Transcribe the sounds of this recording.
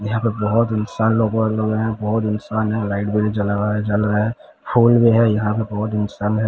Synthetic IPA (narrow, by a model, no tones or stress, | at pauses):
jɐɦãpebɐɦʊt̪ɪnsaːnloːɡõloːɡẽɦɛ̃bɔɦʊt̪ɪnsaːnɦɛ̃laːɪʈbelid͡ʒɐlaɡaɛd͡ʒɐlɾɐɦɛ | pʰuːlbʱiɦɛjɐɦãpebɔɦʊt̪ɪnsaːnɦɛ̃